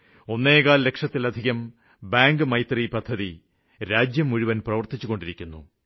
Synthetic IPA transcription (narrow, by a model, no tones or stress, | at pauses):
o̞nːeːkaːllːe̞kʂɐt̪ːilɐd̪ʱiɣɐm | baːŋɡɨmɐjt̪ripɐd̪ʱːɐði | ɾaːd͡ʑjɐmuɻuʋɐnprɐʋɐrt̪it͡ɕːuɣo̞ɳɖiɾikʲːunːṵ